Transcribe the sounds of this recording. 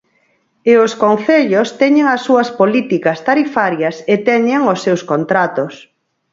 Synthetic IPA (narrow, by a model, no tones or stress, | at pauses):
eoskonθeʎost̪ɛɲeŋɐsːuɐspolit̪ikɐst̪aɾifaɾjɐset̪ɛɲeŋosːewskont̪ɾat̪ʊs